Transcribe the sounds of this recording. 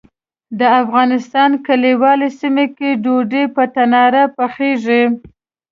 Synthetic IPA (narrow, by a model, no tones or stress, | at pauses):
d̪əafɣɑnɪst̪ɑnkaliwɑlesimekeɖoɖepət̪anɑɾapaxeʐi